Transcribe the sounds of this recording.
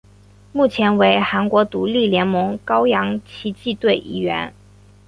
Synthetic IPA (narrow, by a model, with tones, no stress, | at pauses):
mu˥˩t͡ɕʰjɛ˧˥nwe˧˥ɪxa˧˥nkwɔ˧˥t̪u˧˥li˥˩ljɛ˧˥nmɤ˧˥ŋkɑ˥ʊjɑ˧˥ŋt͡ɕʰi˧˥t͡ɕi˥˧t̪we˥˩ɪʔḭ˥˩ɥɛ̰˧˥n